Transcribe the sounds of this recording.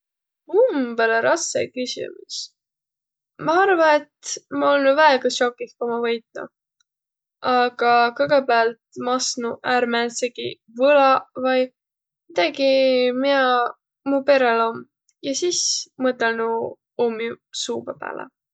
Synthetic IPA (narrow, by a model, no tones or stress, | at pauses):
umbeleɾɑsːḛkysʲḭmus | mɑɑrvɑe̞t̪mɑolnuvæeɡ̥ɑʃokːˑiskomɑvɤjt̪̚nṵ | ʔɑɡ̥ɑkɤɡ̥epeɑlt̪mɑsnuʔæːɾmænseɡ̥i | vɤlɑvɑj | mid̪̥ɑɡimiɑ | mupe̞ɾelo̞m | jɑsismɤt̪ːˑelnu | omːisuːbɑpæ̰ːlḛ